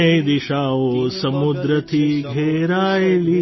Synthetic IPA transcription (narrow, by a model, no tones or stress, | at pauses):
ed̪iʃaːʋosɐmud̪ɾɐt̪ʰiɡʱeːɾaːjeli